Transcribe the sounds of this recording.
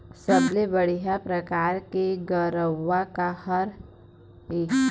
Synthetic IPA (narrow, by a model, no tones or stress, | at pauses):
səblebəɽ̤iɦapɾɐkaːɾkeɡəɾəʋːakahɐɾ | e